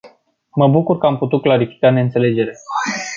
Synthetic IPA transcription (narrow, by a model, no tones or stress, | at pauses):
məbukurkəamput̪ut̪̚klaɾifi̥kaneɨnt̪sele̞d͡ʒe̞ɾe̞